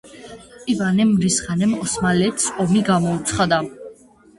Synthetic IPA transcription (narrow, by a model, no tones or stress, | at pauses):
ivanɛmɾisχanɛmɔsmalɛt̪ʰsɔmiɡamɔut̪sʰχad̪a